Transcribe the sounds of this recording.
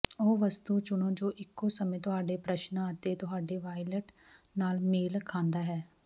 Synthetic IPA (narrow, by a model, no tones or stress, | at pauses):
oːʋəst̪uːt͡ʃʊɳõːd͡ʒoːʔɪkːoːsəmẽːt̪ʊɦaːɖeːpɾəʃnãːət̪eːt̪ʊɦaːɖeːʋaːiləʈnaːlmeːlkʰãːnd̪aːɦɛː